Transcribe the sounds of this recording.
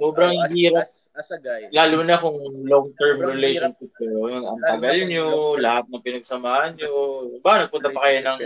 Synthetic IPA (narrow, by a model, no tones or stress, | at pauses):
soːbɾɐŋɪhiːɾɐp̚ | laːluːnɐkʊŋloŋt̪ɛɹmɾɪlejʃonʃɪp̚t̪ojʊŋɐ̰mp̪ɐɡɐlɲolɐhat̪̚nɐŋpɪnɐɡ̚sɐmaːhɐnɲobaɐnɐɡ̚pʊnt̪ɐpɐkɐjonɐŋ